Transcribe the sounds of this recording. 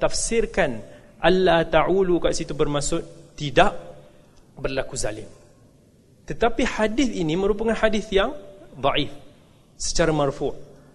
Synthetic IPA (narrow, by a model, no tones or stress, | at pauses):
t̪afsɪrkanʔanːat̪aʕulukaʔsit̪ubərmasʊt̪idaʔ | bərlakuza̰lɪ̰m | t̪ət̪apiħadɪθinimə̃ɾup̬akanħadɪθjaŋd̪ˤɑʔif | sə̥t͡ʃaɾamarfʊʔ